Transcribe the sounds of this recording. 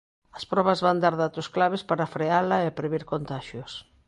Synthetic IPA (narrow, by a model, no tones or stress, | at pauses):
ɐspɾɔβɐzβand̪aɾðat̪ʊsklaβespaɾafɾealɐɪpɾeβiɾkont̪aʃjos